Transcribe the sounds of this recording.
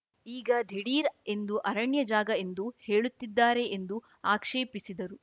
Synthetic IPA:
iːɡɐd̪ʱiɽiːɾe̞nd̪uʔɐɾɐɳjɐd͡ʒaːɡɐe̞nd̪uhe̞ːɭut̪ːid̪ːaːɾe̞ʔːnd̪u | aːkʂeːpisid̪ɐɾu

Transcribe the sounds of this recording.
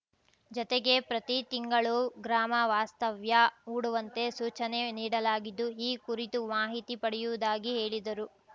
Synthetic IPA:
d͡ʒɔt̪eɡe̞pɾɐt̪it̪iŋɡɐɭuɡɾaːmɐʋaːst̪ɐʋjɐuːɽuʋɐnt̪e̞suːt͡ʃɐne̞niːɽɐlaːɡid̪ːuɦiːkuɾit̪umaːɦit̪ipɐɽɛjuʋud̪aːɡiɦe̞ːɭid̪ɐɾu

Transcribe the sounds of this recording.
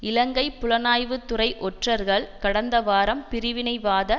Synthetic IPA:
ɪlɐŋɡɐɪpːʊlɐnaːjʋɯt̪ːʊrɐɪʔɔʈrɐɾɣɐɭkɐɽɐnd̪ɐʋaːɾɐmpɪɾɪʋɪnɐɪʋaːðɐ

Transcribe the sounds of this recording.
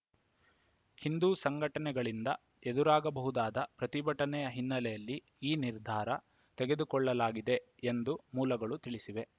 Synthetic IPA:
hind̪uːsɐŋɡʱɐʈɐnɛɡɐɭind̪ɐ | ed̪uɾaːɡɐbɐɦud̪aːd̪ɐpɾɐt̪ibɐʈɐnɛjɐɦinːɐlɛjɐlːi | iːniɾd̪ʱaːɾɐ | t̪ɛɡe̞d̪ukɔɭːɐlaːɡid̪e̞ | end̪umuːlɐɡɐɭut̪iɭisiʋe̞

